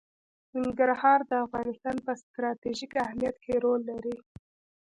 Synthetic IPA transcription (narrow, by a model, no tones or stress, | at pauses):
nɪŋɡaɾhɑɾd̪əafɣɑnɪst̪ɑnpəst̪ɾɑt̪eʒikahmijat̪kʰeɾolːaɾi